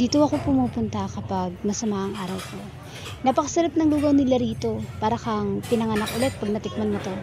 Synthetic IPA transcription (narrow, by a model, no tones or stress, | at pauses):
d̪iːt̪oɐko̞pʊmuːpʊnt̪ɐkɐpaɡ̚mɐsɐmaʔɐŋʔaːɾɐwko̞ | nɐpɐkɐsɐɾap̚nɐŋluɡɐwnɪlaɾiːt̪o̞paːɾɐkɐŋpɪnɐŋanakʔʊlɛt̪̚pɐɡ̚nɐt̪ɪk̚mɐnmɐt̪o̞